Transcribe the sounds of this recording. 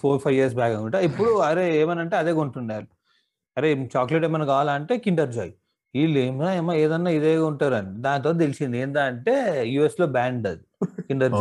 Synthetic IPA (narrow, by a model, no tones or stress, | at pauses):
pʰoːɾpʰɐjʋiɐɾs̬baːkɐŋɡuɳʈaipːuɽuɐɾeeːmɐnɐɳʈeːɐd̪eːɡoɳʈunːaːɾu | ɐɾe̞ːt͡ʃaːkleʈ̬emɐnɐkaːlaːɐɳʈe̞ːkiɳɖɐɾd͡ʒaːji | iːlemaɐmːaeːd̪ɐnːaːid̪eːuɳʈaːɾɐnid̪aːnt̪oːt̪̬elisind̪ieːnd̪aːɐɳʈe̞ːjuːeslo̞ːbaːɳɖɐd̪ikiɳɖɐɾd͡ʒ